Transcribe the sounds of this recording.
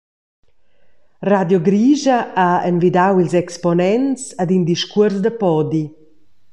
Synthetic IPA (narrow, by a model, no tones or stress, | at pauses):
rad̪jɔɡɾiːʒaaenvid̪awilzɛkspɔnɛnt͡sad̪ind̪iʃkuəɾzd̪əpɔd̪i